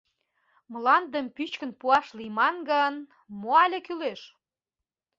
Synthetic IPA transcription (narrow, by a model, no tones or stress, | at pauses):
mlɑnd̪əmpyt͡ɕkə̆npuɑʃlimɑnɡən | moɑlʲekyleʃ